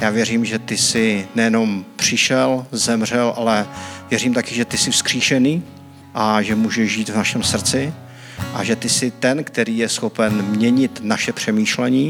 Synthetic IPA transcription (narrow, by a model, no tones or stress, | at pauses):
jaːvjɛriːmʒɛt̪ɪsɪnɛjɛno̞mpr̝̥ɪʃɛlzɛmr̝ɛlʔalɛvjɛriːmt̪akɪʒɛt̪ɪsɪfskr̥iːʃɛniː | ʔaʒɛmuːʒɛʒʒiːt̪vnaʃɛmsr̩t͡sɪ | ʔaʒɛt̪ɪsɪt̪ɛnkt̪ɛɾiːjɛsxo̞pɛnmɲɛɲɪt̪naʃɛpr̝̥ɛmiːʃlɛɲiː